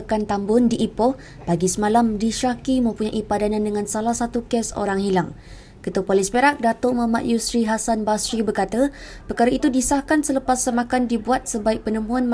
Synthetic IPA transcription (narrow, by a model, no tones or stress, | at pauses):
kant̪ambʊndiʔipɔh | b̥aɡisəmalamdiʃakimãpuɲaʔipadanãndəŋãnsalahsat̪ukɛso̰ɾaŋhilaŋ | kət̪uəpolispeɾak̚dat̪oʔmama̰ʔjusɾiɦasanbasɾibərkat̪ə | pərkaɾəit̪udisahkansələpasːəmakandibuat̪̚səbaik̚pənəmũanm